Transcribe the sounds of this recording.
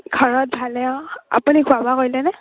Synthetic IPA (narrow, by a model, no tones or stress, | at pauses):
ɡʱɔɹɔt̚bʱalɛɔ̃a̰punikʰuabakoɹjlɛnɛ